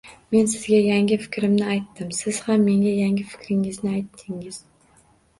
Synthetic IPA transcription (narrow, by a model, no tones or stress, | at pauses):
me̞nsɪzɡʲajaŋʲɪfɪ̥kʲʰɾɪmnɪajt̪ʰːɪmsɪz̥hamːe̞ŋɡʲajaŋɡʲɪfɪ̥kʲɾɪŋɪznɪajt̪ʰːɪŋɪz̥